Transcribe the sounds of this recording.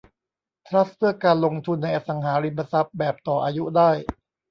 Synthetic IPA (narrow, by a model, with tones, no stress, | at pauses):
t̪ʰɾa˦˥s̚pʰɯ˥˩ɐkaː˧nlo˧ŋt̪ʰu˧nːa˧jʔa˧˩sa˩˦ŋɦaː˩˦ɾi˧mpa˧sa˦˥p̚bɛː˨˩p̚t̪ɔː˨˩ʔaː˧ju˦˥daː˥˩j